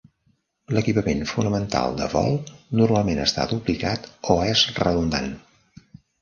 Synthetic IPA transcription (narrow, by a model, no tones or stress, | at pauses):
ləkipəmenfunəmənt̪a̰lˠd̪əβɔ̰lˠnurmalˠmenəst̪a̰d̪uplikat̪oɛzrəðund̪a̰n